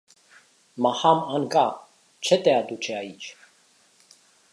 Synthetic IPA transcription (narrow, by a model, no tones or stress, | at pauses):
mahamankʼa | t͡ʃʰɛt̪ʼɛad̪ut͡ʃʰɛait͡ʃʰ